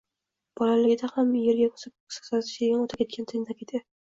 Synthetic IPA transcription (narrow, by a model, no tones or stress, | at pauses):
b̥ɒlalɪɡʲɪd̪ahamjeɾɡʲakʰo̥sɪp̚ssazɪ̥ʃeɡʲɪnot̪ʰap̚kʲe̞t̪̚kʲant̪ʰend̪akʲed̪ɪ